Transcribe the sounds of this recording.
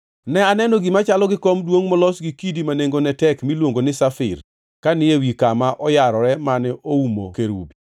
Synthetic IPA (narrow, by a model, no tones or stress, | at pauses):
nɛanɛnɔɡɪmat͡ʃalɔɡɪkomdwoŋmɔlɔsɡikidimaneŋɡonɛtɛkmilwoŋɡonɪsafɪr | kanɪewikamaʔɔjaɾɔɾɛmanɛoumo̰keɾṵbi